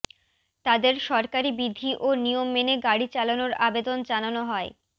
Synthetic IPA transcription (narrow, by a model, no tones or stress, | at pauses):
t̪ad̪eɾʃɔɾkaɾibid̪ʱiʔonijomːeneɡaɽit͡ɕalonoɾabed̪ond͡ʑananoɦɔe